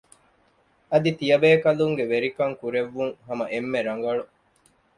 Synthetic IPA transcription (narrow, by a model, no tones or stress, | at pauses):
ɐd̪it̪ijɐbeːkɐluŋɡeʋeɾikɐŋkuɾeʋːuŋɦɐmɐʔemːeɾɐŋ̆ɡɐɭu